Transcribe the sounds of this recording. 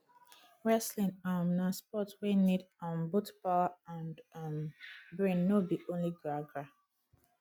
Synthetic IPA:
ɹɛslĩnamnaspɔtwenidãnbutpaãndambɹĩnːobiʔõnliɡɹaɡɹa

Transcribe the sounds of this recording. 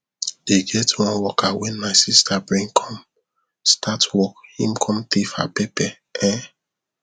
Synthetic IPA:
d̥eɡɛtwɔ̃nwɔkawɛ̃nmaɪsistabɹĩŋkʰɔ̃m | statwɔkhĩmkʰɔ̃mtifa̰pepɛ | ɛ

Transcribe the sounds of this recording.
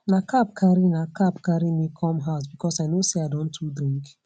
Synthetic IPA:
nakʰap̚kʰaɾinakapkaɾimikʰɔ̃mɦaʊs̬bikʰɔsaɪnoseaɪdɔ̃ntʰudɾĩŋk

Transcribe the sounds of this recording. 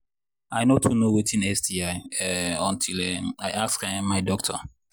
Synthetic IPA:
aɪnotʰunowetʰĩnɛsdiaɪɛɔ̃ntʰilɛaɪʔakskããmːaɪdɔk̚tʰɔ

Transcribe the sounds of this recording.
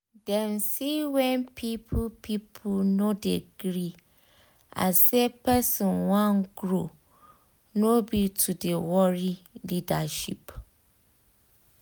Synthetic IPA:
dɛ̃nsiwɛ̃npʰipʰpʰipʰunõdɛ̰ɡ̥ɾi | a̰sɛpʰɛsɔ̃nwãnɡɾo | nobitʰudewɔɾilidaʃḭp

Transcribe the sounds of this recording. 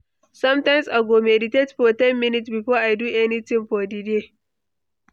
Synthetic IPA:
sɐmtajmsʔaɡʷoːmedɪtɛtɸoːtɛmːɪnɪtbiɸoːʔajduːʔɛnitɪmɸoːdide

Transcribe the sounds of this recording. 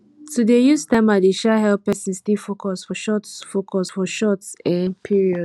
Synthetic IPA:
tudejustãmadeʃɛɦɛlpɛsĩnstifokɔsfɔʃɔtfokʰɔsfɔʃɔtsɛ̃npʰiɹiɔd

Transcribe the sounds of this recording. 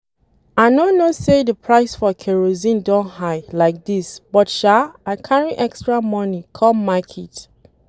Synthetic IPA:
anonosedəpʰɹaɪsfɔkʰɛɹozĩndɔ̃nhaɪlaɪk̚disb̥ɔtʃaãkʰaɹiʔɛkstɹamɔnikʰɔmakʰit

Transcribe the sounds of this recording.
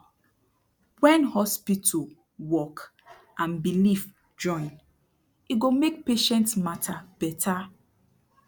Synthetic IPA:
wɛ̃nhɔspitʰu | wɔk | ʔãnbilif | d͡ʒɔ̃ɪ̃n | iɡomek̚peʃɛ̃ntsmatʰab̥ɛtʰa

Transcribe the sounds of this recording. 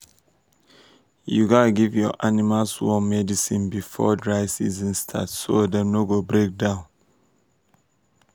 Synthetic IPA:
juɡɔnaɡivjɔʔanimalswɔmɛdisĩnbifɔ̰dɹaɪsḭzĩnstʰa̰tsodənoɡobɹek̚dãʊ̃n

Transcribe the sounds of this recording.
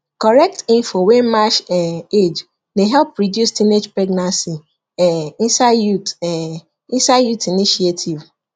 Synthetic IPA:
kɔɾɛk̚tĩɱfowemaʃed͡ʒ | neɦɛlpɾidjustined͡ʒpɹɛɡnãnsi | ĩsajut | isaɪjutiniʃietʰiv

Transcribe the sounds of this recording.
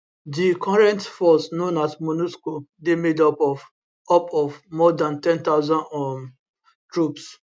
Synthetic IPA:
dikʰɔɹɛ̃ntfɔsnõnatmonuskodemedɔpɔ | ɔpɔvmɔdãntɛ̃ntaʊzãnɔm | tɹups

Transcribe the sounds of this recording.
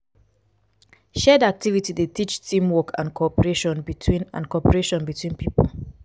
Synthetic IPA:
ʃɛdak̚tʰivitidetʰit͡ʃtʰĩmwɔkʰã̰nkʰɔpəɹeʃɔ̃nbitʰwĩnã̰nkɔpəɹeʃɔ̃nbitʰwĩnpipəl

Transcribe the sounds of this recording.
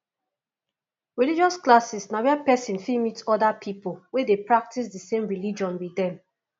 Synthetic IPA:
ɹilid͡ʒɔsklasisnawɛapɛsĩnfimitɔdapʰipolwedepɹak̚tʰis̬dəsẽmɹilid͡ʒɔ̃nwiðɛ̃m

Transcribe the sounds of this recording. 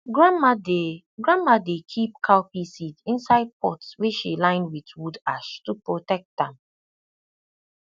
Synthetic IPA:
ɡɹamade | ɡɹãmadekʰip̚kʰaʊpisitĩnsaɪd̚pɔtsweʃilãɪ̃nwitwudaʃtupɹotɛk̚t̚dãm

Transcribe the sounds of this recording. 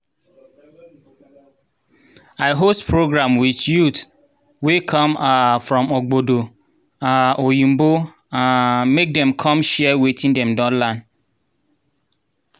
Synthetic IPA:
aɪɦostpʰɹoɡɹãmwitjut | wekʰɔ̃mafɹɔ̃moɡ͡bodo | aʔojĩm̩bo | ãnmek̚dɛ̃mkʰɔ̃mʃɛwetĩndɛ̃mdɔ̃nlãn

